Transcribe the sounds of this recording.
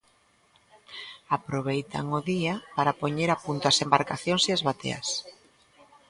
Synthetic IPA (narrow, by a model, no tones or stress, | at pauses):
apɾoβejt̪a̰ŋʊðiapaɾapoɲeɾapunt̪oasembaɾkaθjoŋsiazβat̪ḛɐ̰s